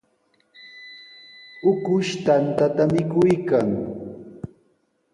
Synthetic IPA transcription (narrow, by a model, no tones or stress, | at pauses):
ʊkʊʃt̪ant̪at̪amɪkʊjkaŋ